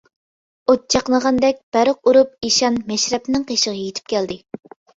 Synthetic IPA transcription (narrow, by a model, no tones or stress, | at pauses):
ot̪̚t͡ʃʰɑqnəʁɑnd̪ɛk̚ʲb̥æɾəq̚uɾupiʃɑnmɛʃɾɛpnɪŋqʰeʃəʁəjet̪ʰɪ̥p̚kʲʰɛld̪ɪ